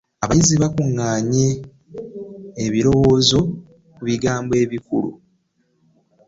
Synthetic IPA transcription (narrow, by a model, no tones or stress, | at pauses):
aβajiziβakuŋːaːɲe | βiɾo̞wo̞ːzo̞ | kuβiɡaːmbe̞ːβikulṵ